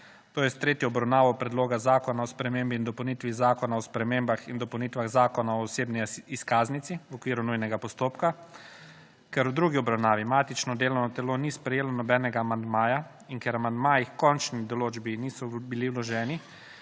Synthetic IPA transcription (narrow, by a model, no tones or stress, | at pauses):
t̪oːjɛst̪ɾeːt̪jɔɔbɾawnaːʋɔpɾɛd̪loːɡazaːkɔnaɔspɾɛmembiːnd̪ɔpɐwnit̪ʋizaːkɔnaɔspɾɛmeːmbaxind̪ɔpɔwnit̪ʋaɣzaːkɔnaɔːseːbniiskaːznit̪siwɔkʋiːɾunujnɛɡapɔst̪oːpka | kɛɾwd̪ɾuɡiɔbɾawnaːʋimaːt̪it͡ʃnɔd̪eːlɔwnɔt̪ɛlonispɾɛjeːlɔnɔbɛːnɛɡaːmand̪maːja | inkɛɾamand̪maːjixkɔnt͡ʃnid̪ɔloːd͡ʒbiniːsɔbiliwlɔʒɛːni